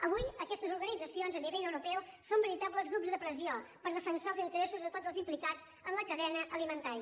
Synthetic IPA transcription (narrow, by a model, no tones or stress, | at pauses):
əβ̞ujəkɛst̪əzuɾɣənid͡zəsionzəniβeʎəwɾupɛwsombəɾit̪apləzɣɾupzðəpɾəziopəɾðəfənsaəlˠzint̪əɾɛsuzðət̪od͡zəlˠzimplikad͡z | ənləkəðɛnəʔəlimənt̪aɾiə